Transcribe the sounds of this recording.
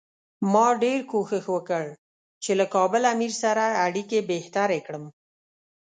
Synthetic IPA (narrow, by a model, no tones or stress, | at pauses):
mɑɖeɾkoxəxwəkəɽ | t͡ʃelakɑbəlamiɾsaɾaːɽikebeht̪aɾekɽəm